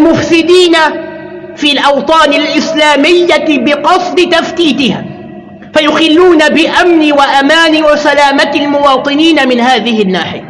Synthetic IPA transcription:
lmʊfsɪd̪iːna | fiːlʔɑwt̪ˤɑːnɪlʔɪslaːmɪjːabɪqɑsˤd̪ɨt̪aft̪iːt̪ɪha̰ː | fajʊxɪlːuːnabɪʔamniwaʔamaːniwasalaːmat̪ɪlmʊwɑːt̪ˤɨniːnamɪnhaːðɪhɪnːaːħɪja

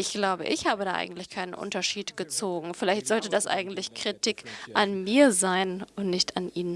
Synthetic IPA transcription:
ʔɪçɡ̥laʊbə̰ʔɪ̰çhaːbədaːʔa̰ɪɡŋ̩tlɪçkʰaɪnənʔʊ̰ntɐʃiːtɡ̥ət͡soːɡŋ̩fɪlaɪçtz̥ɔltədasʔa̰ɪɡŋ̩tlɪçkʁ̥itʰikʔanmiːɐzaɪnʊntnɪçtanʔiːn

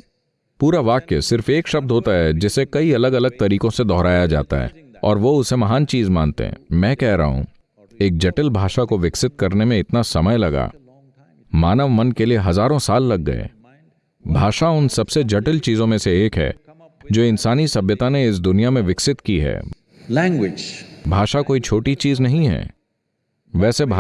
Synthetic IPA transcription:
puːɾaʋaːkesɪɾfeːkʃɐb̚d̪ʱɦoːt̪aɦɛd͡ʒɪsekɐiɐləɡɐləɡ̚t̪ɐɾiːkõsed̪ɔːɦɾaːjad͡ʒa̰ːt̪a̰ɦɛ̰ːɔ̰ːɾʋoʊsemɐɦaːnt͡ʃiːzmã̰ːnt̪ḛɦɛ̰̃mɛ̃ːkɛɦɾɐ̰ɦṵ̃ | eːk̚d͡ʒɐʈəlbʱaːʃakoʋɪksɪt̪̚kɐɾnemẽɪt̪nasɐməjlɐɡa̰ː | maːnəʋmɐnkelieɦɐzaːɾõsaːlːɐɡːɐ̰ḛ | bʱaːʃaʊnsɐbsed͡ʒɐʈəlt͡ʃiːzõmẽseeːkɦɛ̰ː | d͡ʒoːɪnsaːnisɐbjət̪aneɪs̬d̪ʊnijamẽʋɪksɪt̪kiɦɛ̰ː | lɛ̃ːŋɡwɪd͡ʒbʱaːʃakoːit͡ʃʰoːʈit͡ʃiːznɐɦĩɦɛ̰ː | ʋɛːsebʱ

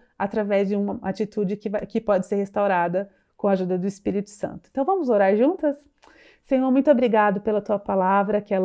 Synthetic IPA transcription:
at̪ɾavɛzd͡ʒɪũmɐat͡ʃit̪ud͡ʒɪkɪakɪpɔd͡ʒɪseɾhest̪awɾad̪ɐ | kõaʒud̪ɐd̪ʊispiɾit̪ʊ̥sɐ̰̃nt̪ʊ̥ẽt̪ɐ̃w̃vɐ̃mʊzoɾaɾʒũnt̪ɐs | sẽjõmũj̃t̪ʊobɾiɡad̪ʊpelɐt̪uɐpalavɾɐkɪɛl

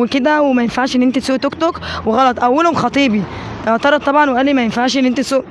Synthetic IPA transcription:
elked̪æwemæjenfaʕʃʔenːʔent̪et̪soːʔt̪okt̪okweɣɑlɑt̪ˤʔæwːælhomxɑt̪ˤiːbit̪ɑʕt̪ɑɾˤɑd̪̚t̪ˤɑbʕɑnweʔæːlːimæjenfaʕʃʔenːʔent̪et̪soːʔ

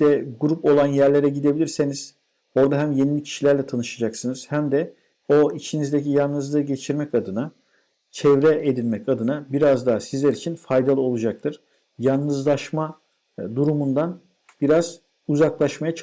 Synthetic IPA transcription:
ɛɡuɾupo̞lˠanjæɾlʲe̞ɾɛɟid̪e̞bilʲiɾse̞niz̥ | o̞ɾd̪aɦæmje̞nilʲicʰi̥ʃilʲæɾlʲɛt̪ʰanɯʃad͡ʒaksɯnɯz̥hæmd̪ɛ | o̞it͡ʃʰinizd̪ecijannɯzlˠɯɟet͡ʃʰiɾmɛcad̪ɯna | t͡ʃʰɛvɾɛed̪ilʲmɛcad̪ɯnabiɾazd̪aːsizlʲæɾit͡ʃʰinfajd̪alˠɯo̞lˠud͡ʒak̚t̪ʰɯɾ̥ | jannɯzlˠaʃma | d̪uɾumund̪an | b̥iɾaz̥ | uzaklˠaʃmajat͡ʃʰ

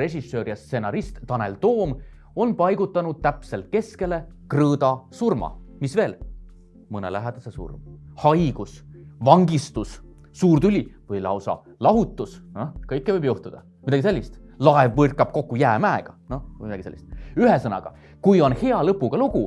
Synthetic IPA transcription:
re̞ɕisːøːɾijɑst̪se̞nɑɾist̪t̪ɑne̞̰lt̪o̞ːm | o̞npɑjɡut̪ːˑɑnud̪̥̚t̪æpse̞lt̪̚ke̞ske̞le̞krɤːd̪̥ɑsurmɑ̰misve̞ːl | mɤnḛlæɦed̪̥ɑsesṵrmhɑjɡ̥usvɑŋɡist̪usː | uːrt̪ylʲivɤjlɑ̰wsɑ̰ | lɑɦut̪ːˑusnokɤjkːevɤjbjuht̪ud̪̥ɑ̰ | mid̪ɑɡ̥iselʲːist̪lɑevvɤrkːɑb̥̚ko̞kːˑujæːmæeɡ̥ɑno̞mid̪ɑɡiselʲːist̪yɦesɤnɑ̰ɡ̥ɑ̰ | kujo̞nhe̞ɑlɤpːˑuɡ̥ɑluɡ̥u

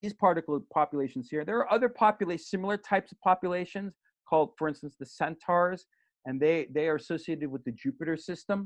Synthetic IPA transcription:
iz̥pʰɑɹɾɨkl̩ˠpʰɑpjɨleɪʃn̩z̥hiɹɨ̃nðə˞ːʔʌðə˞pʰɑpjɨleɪsɪ̃ml̩ˠə˞tʰaɪpsʌv̥pʰɑpjɨleɪʃɨ̃nz̥ | kʰɔlˠd̥fə˞ɪ̃nstə̃n̩sðɨsɛ̃ntʰɑɹz | ɨ̃nðeɪðeɪə˞ɨsoʊsieɪɾɨd̚wɨðɨd͡ʒʉpɨɾə˞sɪstə̃m

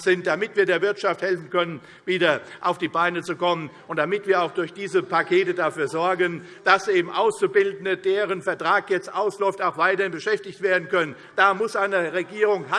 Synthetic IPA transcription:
z̥ɪntd̥amɪtv̥iːɐdeːɐvɪɐtʃafthɛlfn̩kœnən | viːdɐʔaʊfd̥iːbaɪnət͡sukɔmən | ʊntd̥amɪtv̥iːɐaʊxd̥ʊɐçd̥iːzəpʰakʰeːtədafyːɐzɔɐɡən | d̥asʔeːbm̩ʔaʊst͡subɪldn̩ədeːʁənfɛɐtʁ̥aːkjɛt͡stʔaʊslɔʏftaʊxv̥aɪtɐhɪnbəʃɛftɪçtv̥eːɐdn̩kʰœnən | d̥aːmʊsʔaɪnəʁeɡiːʁʊŋɦa

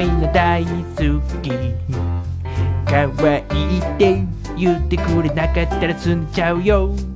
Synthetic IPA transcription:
jnot̪ajisukki | kawaiʔit̪ːej | jut̪ekuɾinakat̪ːaɾat͡sunt͡ʃawjow

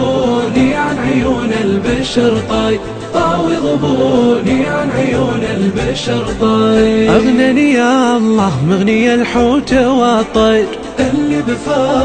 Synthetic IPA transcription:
niʕanʕʊjuːnɪlbaʃɑɾt̪ˤɑj | t̪ˤɑːwiðˤʊbuːniʕanʕʊjuːnɪlbaʃɑɾt̪ˤɑʔaɣnanijaʔɑlˤːɑːhmɪɣnɪjalħuːt̪awɑt̪ˤːɑjɾ | ʔɪlːibɪfa

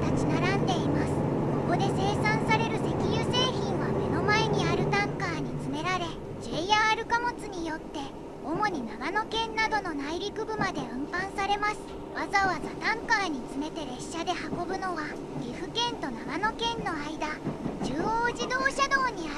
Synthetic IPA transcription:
t̪at͡ɕinaɾãnd̪e̞imasɨ̥ko̞ko̞d̪e̞se̞ːsãɰ̃saɾe̞ɾɯ̟se̞kʲijɯːse̞ːçĩɰ̃βame̞no̞maeɲ̟iaɾɯ̟t̪ãŋkaːɲ̟it͡sɨme̞ɾaɾe̞ | d͡ʑejaːɾɯ̟kamo̞t͡sɨɲ̟ijo̞t̪ːe̞ | o̞mo̞ɲ̟inaɡano̞kẽ̞nːad̪o̞no̞naiɾʲikɯ̟bɯ̟mad̪e̞ɯ̟̃mpãɰ̃saɾe̞masɨ̥ | βazaβazat̪ãŋkaːɲ̟it͡sɨme̞t̪e̞ɾe̞ɕːad̪e̞hako̞bɯ̟no̞ɡa | ɾʲiɸɯ̟kẽ̞nt̪o̞naɡano̞kẽ̞nːo̞aid̪ad͡ʑɨːooːʑid̪o̞ːɕad̪o̞ːɲ̟ia

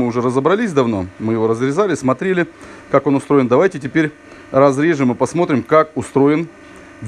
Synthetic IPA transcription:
ɨʊʐɛɾəzəbɾɐlʲisʲd̪ɐvno̞̰mɨjɪvo̞ɾəzɾʲɪzalʲɪsmɐt̪ɾʲelʲɪ | kako̞nʊst̪ɾoɪnd̪ɐvajtʲɪtʲɪpʲeɾʲ | rɐzɾʲeʐɨmɨpɐsmo̞t̪ɾʲɪmkakʊst̪ɾo̞jɪn | vʲ

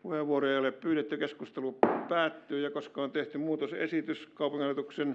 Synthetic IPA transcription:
uheʋʋuoroeioleppyːɾet̪ːykeskust̪elupæːt̪ːyːjɑkoskɑont̪eht̪ymuːt̪osḛsit̪yskɑˑupuŋiɑljɑt̪uksen

